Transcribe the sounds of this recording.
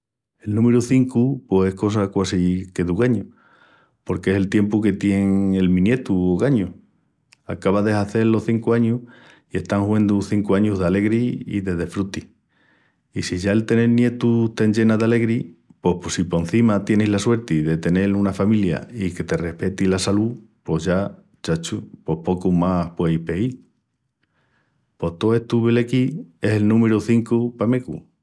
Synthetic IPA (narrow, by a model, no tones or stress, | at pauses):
e̞lnũme̞ɾuθiŋkupose̞hko̞s̬akwasike̞ðuɣaɲu | po̞ɾkeese̞lt̪je̞mpuke̞t̪je̞ŋe̞lmĩnje̞t̪uoɣaɲu | a̰kaβaðe̞ɦaθe̞ɾlo̞hθiŋkuaɲuh | ie̞ht̪aŋhwe̞nd̪uθiŋkuaɲuɦðeale̞ɣɾiḭðe̞ðe̞fɾut̪i | isiʝaelt̪e̞ne̞lnje̞t̪ut̪end͡ʒe̞naðale̞ɣɾipo̞hposipo̞en̟θimat̪je̞nilaswe̞ɾt̪iðe̞t̪e̞ne̞lunafamilja̰ike̞t̪e̞re̞hpe̞t̪ilasalupo̞ɦʝa | t͡ʃat͡ʃupo̞hpo̞kumahpwe̞jhpe̞i | po̞ht̪oe̞ht̪uβelekie̞selnũmeɾuθiŋkupamekṵ